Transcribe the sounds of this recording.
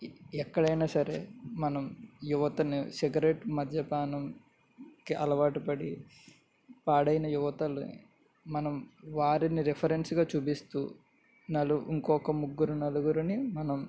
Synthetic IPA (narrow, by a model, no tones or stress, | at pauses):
ɛkːɐɽɐjnaːsɐɾḛmɐnɐmjuʋɐt̪ɐnisiɡɐɾeʈmɐd̪ʱjɐpaːnɐm | kiʔɐlɐʋaːʈipɐɽi | paːɽɐjnɐjuʋɐt̪ɐlu | mɐnɐmʋaːɾiniɾepʰɐɾensɡaːt͡ʃuːpist̪ṵː | nɐluiŋkɔːkɐmuɡːuɾunɐluɡuɾunimɐnɐm